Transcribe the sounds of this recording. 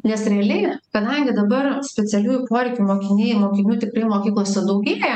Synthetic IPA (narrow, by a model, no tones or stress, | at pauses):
nʲɛsɾʲɛɐlʲɛɪkɐd̪ɐŋʲɡʲɪd̪ɐbɐrsʲpʲɛtsʲɛlʲuːjupoːɾʲɛɪkʲumoːkʲɪnʲeːjɪmoːkʲɪnʲuːt̪ʲɪkɾɐɪmoːkʲiːklˠoːsʲɛd̪ɐʊɡʲiːbʲeːɛ